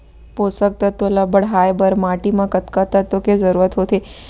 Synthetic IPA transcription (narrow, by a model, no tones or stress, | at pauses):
posək̚t̪ət̪ːolabəɽɦajbəɾmaʈimãkət̪kat̪at̪okezəɾuɾət̪ɦot̪ʰe